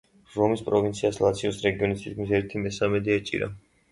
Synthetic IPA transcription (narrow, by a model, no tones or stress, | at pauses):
ɾɔmispʼɾɔvint̪sʰiaslˠat̪sʰiɔsɾɛɡiɔnisʰit̪kʰmisɛɾt̪ʰimɛsamɛd̪ɛat͡ʃʼḭɾa̰